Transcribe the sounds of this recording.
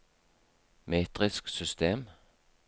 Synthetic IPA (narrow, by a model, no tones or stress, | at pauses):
meːt̪ʁɪsksʏst̪ʰeːm